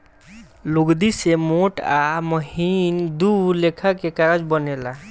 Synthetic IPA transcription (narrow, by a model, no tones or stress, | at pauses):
luɡd̪isemoʈaməɦind̪uɾlekʰakekaɾad͡ʒbənela